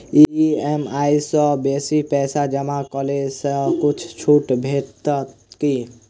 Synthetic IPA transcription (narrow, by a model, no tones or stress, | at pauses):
iemaisɔ̃besipɛsad͡ʒəmakɔlesɔ̃kut͡ʃʰt͡ʃʰuʈbʱet̪ | ki